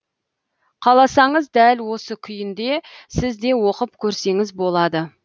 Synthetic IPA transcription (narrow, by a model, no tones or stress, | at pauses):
qʰɑlˠɑsɑɴəzd̪ælwo̞səkʲʰʏjɪnd̪e̞sɪzd̪e̞wo̞qəp̚kʲʰɵɾse̞ŋɪzbo̞lˠɑd̪ə